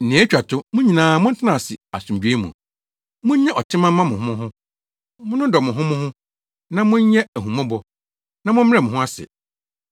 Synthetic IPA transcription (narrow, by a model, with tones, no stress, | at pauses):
n̩˨nĩ˨˦æ˦t͡ɕᶣa˨tʊ˦mʊ̃˦ɲĩ˨nãː˨mʊ̃˦n̩˦tʰɪ˦nã˨sɪ˨a˨sũ˨md͡ʑᶣe˦mṵ̃˨ | mʊ̃˦ɲ̩˦ɲɛ̃˦ʔɔ˨tʰɪ˦mã˦ã˦mʊ̃˨ɦʊ̃˦mʊ̃˦ɦʊ̃˦ | mʊ̃˦nʊ̃˦dɔ˨mʊ̃˨ɦʊ̃˦mʊ̃˦hʊ̃˦ | nã˦mʊ̃˦ɲ˦ɲɛ˦æ˨ɦũ˨mã˦bɔ˨ | nã˦mʊ̃˦m̩˦mɪ˦ɛ˦˨m˨ʊ̃˨ɦʊ̃˦a˦sɛ̰˨